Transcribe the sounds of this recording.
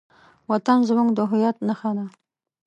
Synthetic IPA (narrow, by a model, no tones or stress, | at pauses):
wat̪anzmuŋd̪əɦʊjɑt̪naxɑna